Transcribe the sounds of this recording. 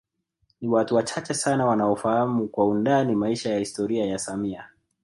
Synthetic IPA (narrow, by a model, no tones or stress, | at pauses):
niwatuwat͡ʃat͡ʃɛsanawanaɔfahamukwaundanimaiʃajahistɔɾiajasamia